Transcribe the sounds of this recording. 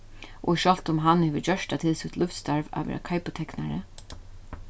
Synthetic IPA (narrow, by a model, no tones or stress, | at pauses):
ʔɔ̰iʃɔl̥t̪ʊmɦanːhɛːvɪd͡ʒœʂtat̪ʰɪlsɪt̪lʊft̪st̪aɹva̰ʋɛ̰ːɾa̰kʰajpʊt̪ʰɛknaɾə̰